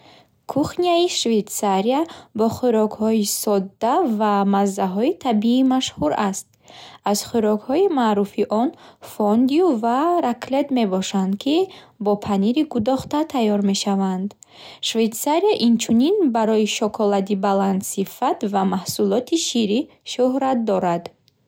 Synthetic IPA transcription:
kʰuχniaiʃve̞t̪saɾiabɔχuɾɔɡhɔisɔd̪ːavamazːaɦɔit̪ʰabiːmaʃhuɾast̪̚ | az̥χuɾɔɡhɔimaɾufiʔɔnfɔnd̪iuvaɾakʰle̞t̪me̞bɔʃand̪kʰi | bɔpʰaniɾiɡud̪ɔχt̪at̪ʰajɔɾme̞ʃavand̪ | ʃvejt̪saɾiaʔint͡ʃʰuninbaɾɔiʃɔkʰɔlad̪ibaland̪sifat̪vamahsulɔt̪ʰiʃiɾi | ʃuhɾat̪̚d̪ɔɾad̪

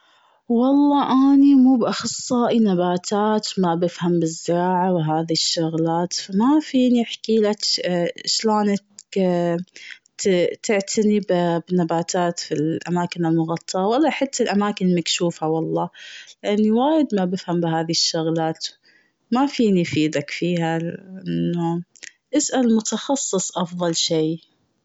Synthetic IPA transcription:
wɑlˤːɑːʔaːnimuːbʔɑxɑsˤːɑːʔinabaːt̪ʰaːt̪mabɪfhambɪzːɪɾɑːʕawɦaːðiʃːʊɣlaːt̪famafiːniħkiːlakʃloːn | t̪ɪʕt̪ʰanibbnːabaːt̪ʰaːt̪filʔamaːkɪnɪlmʊɣɑt̪ˤːɑʔɑwalːaħat̪ːalʔamaːkɪnlmakʃuːfawɑlˤːɑːlɪʔanːiwaːjɪd̪mabɪfhambɪɦaːðiɪʃːʊɣlaːt̪ | mafiːnifiːd̪akfiːhalɪʔɪannːu | ʔɪsʔalmʊt̪ɑxɑsˤːɨsˤʔɑfðˤɑlʃeː

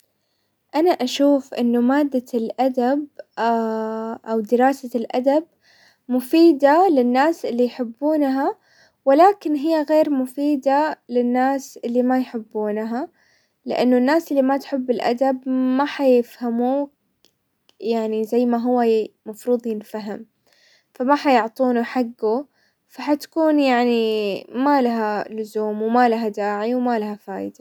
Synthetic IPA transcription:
ʔanaʔaʃuːfʔɪ̰nːʊmaːd̪ːalʔad̪ab | ʔawd̪ɪɾɑːsalʔa̰d̪ab̚ | mʊfiːd̪alɪnːaːsʔɪlːijħɪbːuːnɦa | wɪlaːkɪnɦɪjːaɣeːɾmʊfiːd̪alɪnːaːsʔɪlːimajħɪbːuːnɦa | lɪʔanːʊnːaːsʔɪlːimat̪ħɪbːɪlʔa̰d̪abmaħajɪfhamu | jaʕnizajːmaɦʊwːamɑfɾuːd̪ˤjɪnfaɦɪm | famaħajʊʕt̪ˤuːnuħaɡːu | faħat̪kuːnjaʕnimalaɦalʊzuːmwmalaɦad̪aːʕiwmalaɦafa̰ːjɪ̰d̪a

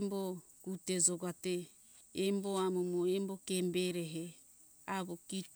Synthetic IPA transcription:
mbo | kuted͡ʒoɡateː | mboamumoembokembeɾeɦe | aβokit

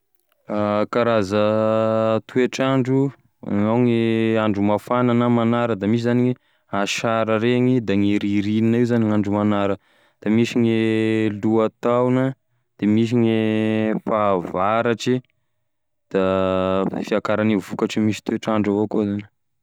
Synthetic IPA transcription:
akaɾazə | t̪ʰueʈ͡ʂaɳɖ͡ʐu | ŋawŋeaɳɖ͡ʐumafananəmanaɾəd̪amis̬izanii | aʃaɾəɾeŋid̪aŋeɾiɾininaiwzaniŋaɳɖ͡ʐumanaɾə | d̪̥amisiŋeluat̪awna | d̪̥emis̬iŋefavaɾaʈ͡ʂi | d̪̥a | fiakaɾanivukaʈ͡ʂimisi̥t̪ueʈ͡ʂaɳɖ͡ʐavokozani̥

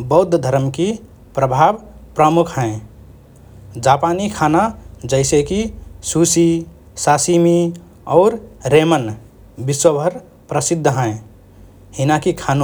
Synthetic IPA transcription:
bəʊd̪ʱːd̪ʱəɾəmki | pɾəbʱabpɾəmukʰɦə̃ẽ | d͡ʒapanikʰanad͡ʒəɪsekisusi | sasimi | ɔːɾɾemən | biswəbʱəɾ | pɾəsid̪ʱːɦə̃ẽ | hinakikʰano

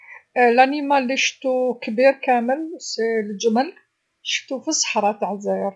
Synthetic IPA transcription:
lænimalːiʃət̪ukbiɾkæməlsild͡ʒəməl | ʃə̥ft̪ufisˤə̥ħɾˤɑt̪ʕzæɾ

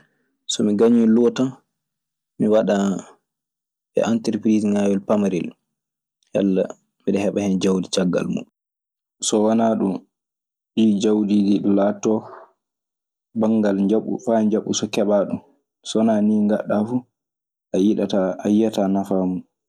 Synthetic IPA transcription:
sɔmiɡaɲilɔta | miwaɗa | bɛ̰ʔantəɾpɾizŋawɛlpamaɾil | ha̰lːa̰ | miɗɛhɛɓahɛnd͡ʒawdit͡ʃaɡːa̰lmṵɗu | sɔwanaːɗum | ɗiːd͡ʒawdidilaːtːɔ | baŋɡalɲd͡ʒaɓṵfaɲd͡ʒaɓːusɔkɛɓaɗum | sɔnaniːŋɡaɗːafu | ʔajiɗataajatanafaːmun

